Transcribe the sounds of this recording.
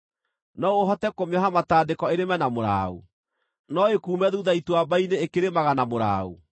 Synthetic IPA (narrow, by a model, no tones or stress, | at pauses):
nɔoɦɔtɛkomjɔɦamataːdekɔeɾemɛnamoɾa̰ːṵ | nɔekuːmɛðuðaituwabaineːkeɾemaɣanamoɾa̰ːṵ